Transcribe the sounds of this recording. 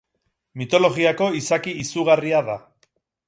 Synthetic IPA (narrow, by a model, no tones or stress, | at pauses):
mit̪o̞lo̞ɣiako̞isakiisuɣ̞ariaða